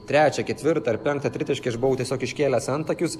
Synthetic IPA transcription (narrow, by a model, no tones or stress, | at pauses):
t̪ʲɾʲæːt͡ʃʲɛkʲɛt̪ʲʋʲɪɾt̪ɐɾpʲɛŋkt̪ɐt̪ʲɾʲɪt̪ʲɪʃʲkʲɐɪʒbʊʋɐʊt̪ʲɛsʲoːkɪʃʲkʲeːlʲɛsɐnt̪ɐkʲʊs